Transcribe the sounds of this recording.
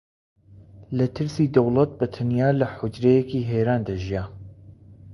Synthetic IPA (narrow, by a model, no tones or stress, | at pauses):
lɐt̪ʰɨɾsiːd̪ɐwlˠɐt̪̚bɐt̪ʰɐnjaːlɐħʊd͡ʒɾejekiːɦeɾaːnd̪ɐʒija